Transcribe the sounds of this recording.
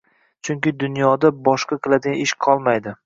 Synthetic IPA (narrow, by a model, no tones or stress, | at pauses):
t͡ʃʰʊŋkʲɪd̪ʊnjɒd̪abɒʃqʰɑqʰɨlˠad̪ɪɡʲanɪʃqʰɒlˠmajd̪ɪ